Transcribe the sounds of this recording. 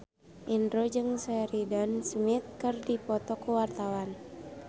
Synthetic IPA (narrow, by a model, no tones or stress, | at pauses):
ʔindɾod͡ʒɨŋsɛɾidɔnsmit̪̚kɨrdipɔt̪ɔkuwart̪awan